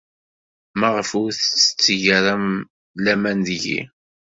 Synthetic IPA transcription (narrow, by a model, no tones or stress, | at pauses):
mæʁəfʊɾθət͡sːə̥t͡sːəʝəɾæm | læmænðʝḭ